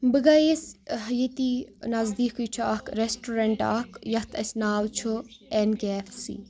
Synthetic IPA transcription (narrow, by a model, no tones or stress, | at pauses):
bɨɡɐjesɦɐjit̪inɐzd̪iːkujt͡ʃʰuakɾesʈoːɾɐɳʈaːkjɐht̪ʰɐsʲnaːlt͡ʃʰuenɡeːfsḭ